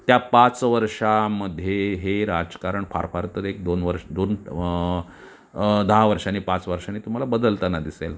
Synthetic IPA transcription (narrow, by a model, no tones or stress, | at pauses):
t̪japat͡sʋəɾʂaməd̪ʱːjeɦeɾad͡zkaɾəɳfa̰ɾfaɾt̪əɾek̚d̪onʋəɾʂd̪on | d̪əɦaʋəɾʂanipat͡sʋəɾʂanːiːt̪um̤alabəd̪əlt̪anad̪isḛl